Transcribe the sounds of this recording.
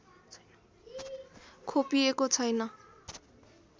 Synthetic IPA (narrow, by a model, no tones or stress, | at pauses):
kʰopiekot͡sʰʌjnʌ